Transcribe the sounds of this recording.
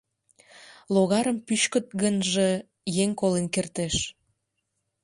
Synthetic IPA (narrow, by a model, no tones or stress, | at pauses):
loɣɑɾəmpyʃkət̪̚ɣənʒe | jeŋkolenkert̪eʃ